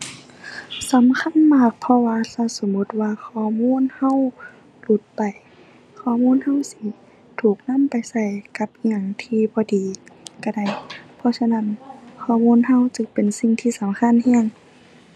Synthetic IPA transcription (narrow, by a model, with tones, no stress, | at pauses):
sa˨˦mkʰa˧˥˨nmaː˧˩k̚pʰɔ˧waː˧sa˧˩so˨˦mu˧˥t̪̚waː˧kʰɔː˧˩˨muː˧˥˨nha˧˥˨w | lu˧˦t̪̚pa˨˩j | kʰɔː˧˩muː˧˥˨nha˧˥˨wsi˧˥ | t̪ʰuː˨˩k̚na˧˥˨mpa˨jsa˧˩jka˧˦p̚ɲa˧˩˨ŋt̪ʰiː˧bɔː˧˦diː˨ka˧˩da˧˩jpʰɔ˧˥sa˧na˧˥˨nkʰɔː˧˩˨muː˧˥˨nha˧˥˨wt͡ɕɯ˧˦ŋpe˨nsi˧˨ŋt̪ʰiː˧˨sa˨˦mkʰa˧˥˨nhɛ˧˩ə˨ŋ